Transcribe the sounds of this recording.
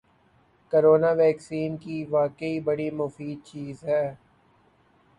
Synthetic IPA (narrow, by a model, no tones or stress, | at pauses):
koɾoːnaʋɛːksiːnkiʋaːkəibɐɽimʊfiːd̪̚t͡ʃiːzɦɛː